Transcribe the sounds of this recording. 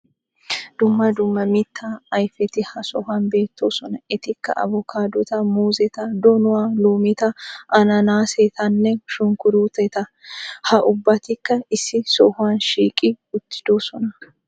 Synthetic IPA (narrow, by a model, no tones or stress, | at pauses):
d̪ʊmːɐd̪ʊmːɐmɪt̪ʰːaɐjfɛt̪ɪhɐsɔhʊɐnbe̞ːt̪ʰːoːsɔnɐɛt̪ɪkːɐ̰ʔɐ̰vɔkʰaːd̪ɔt̪ɐmuːzɛt̪ɐd̪ɔnʊwaːloːmɪt̪ɐʔɐnɐnaːset̪ɐnːɛʃʊŋkʊɾuːt̪ɛt̪ɐhɐʔʊbːɐt̪ɪkːɐɪsːɪsɔhʊwɐnʃiːkʼɪ | ʊt̪ːɪ̥d̪̥oːsɔnɐ